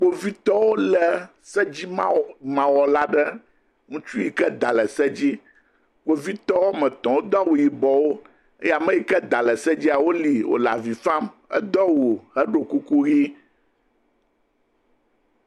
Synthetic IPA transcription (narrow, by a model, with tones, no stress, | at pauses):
k͡po˨vi˦t̪ɔ˦wo˦lə˨ | sɛ˦d͡ʑi˦m˦mã˨wɔ˨la˦ɖə˦ | ŋũ˦t͡ʃu˦ji˨kɛ˦d̪a˨lɛ˨sɛ˦d͡ʑi˦ | k͡po˨vi˦t̪ɔ˦wo˦mɛ̃˨t̪ɔ̃˨wo˦d̪ɔ˦wu˨ji˨bɔ˨wo˦ | e˦ja˨mɛ̃˦ji˦kɛ˦d̪a˨lɛ˨sɛ˦d͡ʑi˦a˨wo˦li˨wʔo̰˨la̰˨vi˨fã˦m | ɛ̰˦d̪ɔ˦wo˨hə˦ɖo˨ku˦ku˦ɣi˦